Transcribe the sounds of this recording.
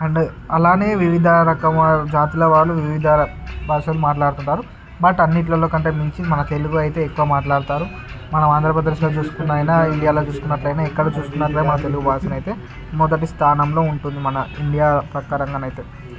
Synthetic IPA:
ɐɳɖeɐlaːne̞ːʋiʋid̪ʱaɾɐkɐmd͡ʒaːt̪ilɐʋaːɽːuʋiʋid̪ʱɐ | bʱaːʂɐlumaːʈlaːɽut̪uɳʈaːɾu | bɐʈɐnːiʈ̬lɐlo̞ːkɐɳʈe̞ːmiɲt͡ʃimɐnɐt̪e̞luɡuɐjt̪e̞ːekːuʋɐmaːʈlaːɽut̪aːɾu | mɐnɐmaːnd̪ɾɐpɾɐd̪ɐʃlot͡ʃuːsu̥kunːaːjnaːiɳɖijaːlo̞ːt͡ʃuːsu̥kunːɐʈlɐjnaːɛkːɐɽɐt͡ʃuːsu̥k̪unːɐʈlɐːjmɐnɐt̪e̞luɡubʱaːʃɐnɐjt̪e̞ː | mɔd̪ɐʈ̬ist̪ʰaːnɐmlo̞ːuɳʈund̪imɐnɐiɳɖijaːpɾɐkaːɾɐŋɡaːnɐjt̪eː

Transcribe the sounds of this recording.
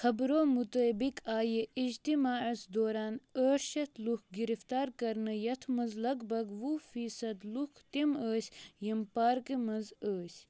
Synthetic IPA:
xʰɐbɾoːmut̪əbikaːjeʔid͡ʒt̪imaːɐsd̪oːɾaːnəːʃɐt̪ʰlukʰɡiɾift̪aːɾkɐɾnɨjɐt̪ʰmɐzlɐɡbɐɡʋufiːsɐd̪lukʰt̪iməːsʲjimpaːɾkimɐzəːsʲ

